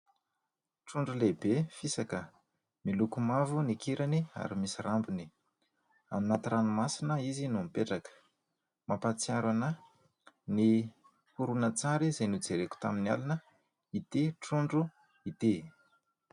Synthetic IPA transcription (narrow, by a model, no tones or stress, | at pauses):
ʈ͡ʂuɳɖ͡ʐulebefisakə | milukumavunikiɾania̰ɾimisirambuni | a̰mnat̪iɾanumasinəizinumipeʈ͡ʂakə̥ | mapat͡siaɾanə | ni | huɾunət͡saɾizenud͡zeɾeku̥t̪a̰minia̰linə | it̪eʈ͡ʂuɳɖ͡ʐu | it̪e